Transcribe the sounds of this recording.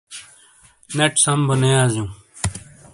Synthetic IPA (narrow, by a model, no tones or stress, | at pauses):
neʈsɐmbənejaːzjũː